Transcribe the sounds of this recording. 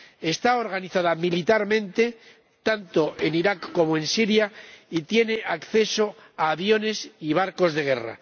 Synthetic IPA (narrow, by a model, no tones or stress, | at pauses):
e̞st̪aoɾɣaniθaðamilit̪aɾmẽ̞nt̪e̞ | t̪ant̪o̞ʔe̞niɾakːo̞moe̞nsiɾjait̪je̞ne̞ʔakθe̞so̞ | aːβjo̞ne̞siβ̞aɾko̞zðe̞ɣ̞e̞ra̰